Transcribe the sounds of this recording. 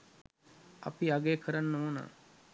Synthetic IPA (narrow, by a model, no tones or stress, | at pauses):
ɐ̰piɐɡeːkʰəɾɐnːoːna̰